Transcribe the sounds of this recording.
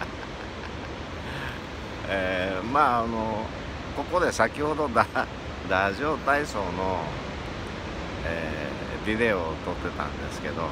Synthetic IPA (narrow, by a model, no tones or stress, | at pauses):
eːmaːno | ko̞ko̞d̪e̞sakʲiho̞d̪o̞d̪a | d̪aʑo̞ːt̪aiso̞ːno̞ | eː | bʲid̪e̞ot̪o̞t̪ːe̞t̪ã̰nd̪e̞sɨ̥ke̞d̪o̞